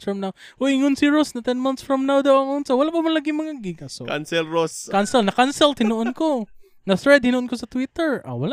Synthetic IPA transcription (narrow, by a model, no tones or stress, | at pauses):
fɹɐmnaw | ʔojʔɪŋonsɪɹosnɐt̪ɛnmant̪sfɹamnawd̪awaŋʊnsawɐlaʔpamanlaɡɪmɐŋaɡɪɡasokansɛlɾoskansɛlnɐkansɛlt̪ɪnuʔonko | nɐsɾɛd̪̚hɪnʊʔonkosɐt̪wit̪ɛɹa̰wala